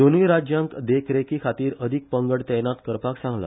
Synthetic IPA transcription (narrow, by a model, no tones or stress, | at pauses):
d̪onʋiːɾad͡ʑjãŋkd̪ekʰɾekiːkʰat̪iːɾəd̪ʱik̚pəŋɡəɽt̪ɛjnat̪kəɾpaksãŋɡla̰